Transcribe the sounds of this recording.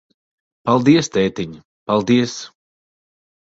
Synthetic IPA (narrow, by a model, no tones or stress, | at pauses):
palˠd̪iɛst̪ɛːt̪iɲ | palˠd̪iɛs